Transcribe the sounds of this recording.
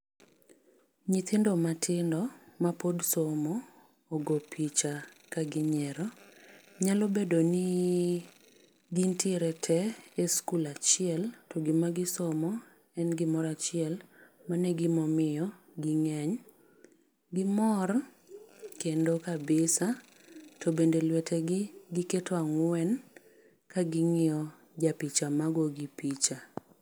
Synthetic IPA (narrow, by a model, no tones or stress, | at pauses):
ɲit̪ʰɪndɔmatʰɪndɔmapodsomɔː | ɡopʰit͡ʃa | kaɡɪɲɛɾɔ | ɲalɔbedonɪ | ɡintiɪɾɛtʰɛɛskulat͡ʃɪɛltɔɡɪmaɡɪsɔmɔ | ɛnɡɪmɔɾat͡ʃɪɛlmanɛɡɪmɔmɪjɔ | ɡiŋɛɲ | ɡɪmɔɾ | kendokabɪsa | tʰobendelwɛtʰɛɡɪɡɪketoaŋwɛn | kaɡɪŋɪɔ | d͡ʒapit͡ʃamaɡɔɡipit͡ʃa